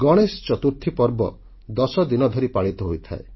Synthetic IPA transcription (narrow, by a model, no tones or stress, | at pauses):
ɡɔɽ̃est͡ʃɔt̪uɾt̪ʰipɔɾbɔ̰ | d̪ɔsɔd̪inɔd̪ʱɔɾipaɭit̪ɔɦojt̪ʰa̰e